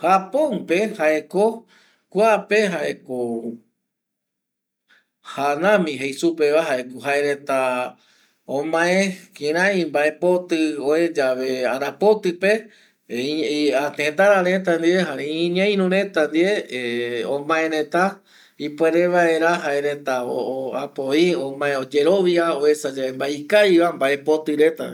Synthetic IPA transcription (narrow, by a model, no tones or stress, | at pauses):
hapõnpehaʔe̞ko | kʷapeɦaʔeko | hanãmĩɦejsupeβaɦaekoɦaeɾẽt̪a | õmãẽkẽɾ̃ãj̃mbaepot̪ɨõẽd͡ʒaʋeaɾapot̪ɨpe | at̪ẽt̪aɾaɾẽt̪and̪ieɦaeĩɲãj̃nũɾẽ̞t̪and̪ie | õmãẽɾẽt̪a | ipweɾeʋaeɾaɦaeɾet̪aoapoiõmãẽod͡ʒeɾo̞ʋiaoesad͡ʒaembaikajʋambae̞po̞t̪ɨɾet̪a̰